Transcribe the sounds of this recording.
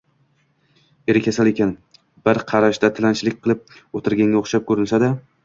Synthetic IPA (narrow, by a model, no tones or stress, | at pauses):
e̞ɾɪkʲʰasalekʲʰan | b̥ɪɾqʰɑɾaʃd̪at̪ʰɪlant͡ʃlɪkʲqʰɨlˠɪp̚ot̪ʰɪɾɡʲaŋɡʲaoχʃap̚kʰɵɾɪnsad̪a